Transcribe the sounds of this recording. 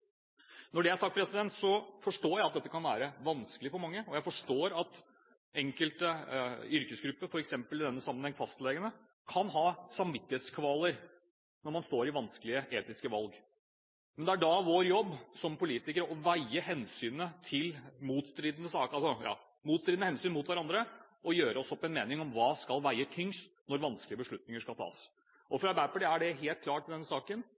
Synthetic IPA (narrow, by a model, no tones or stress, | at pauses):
nɔɖɛæɾʂɑk̚t̪pʰɾɛsɪd̪ɛnt̪sɔfɔʂʈoːjæɪt̪d̪ɛt̪ːəkʰɑnʋæːɾəʋɑnskəlɪfɔɾmɑŋːəɔjæɪfɔʂʈoːɾɑt̪ | ɛŋkəlt̪əʏɾkəsɡɾʉpːəɾfɔɾɛksɛmpəlɪd̪ɛnːəsɑmːənhɛŋfɑst̪lɛːɡənə | kʰɑnɦɑːsɑmʋɪt̪ːɪheːt̪skʰʋɑːləɾ | nɔɾmɑnst̪oːɾɪʋɑnskəlɪəʔeːt̪ɪskəʋɑlɡ | mɛnd̪ɛæɖɑʋoːɾjɔbːsɔmpʊliːt̪ɪkəɾəɔʋæɪəhɛnsyːnət̪ʰɪlmuːt̪st̪ɾiːd̪ənəsɑːkɑlsɔjɑ̰ː | muːt̪st̪ɾɪd̪nəhɛnsyːnmʊːt̪ʋæɾɑnd̪ɾəʔɔjøːɾəɔsɔpːɛnmeːnɪŋɔmʋɑːskɑlʋæɪət̪ʰʏŋst̪nɔɾʋɑnskəlɪəbəʂɭʉt̪nɪŋəʂkɑlt̪ʰɑ̰ːs | ʔɔfɾɑbæpəɖɪæɖɛɦeːlt̪kʰlɑːʈːɪld̪ɛnːəsɑːkən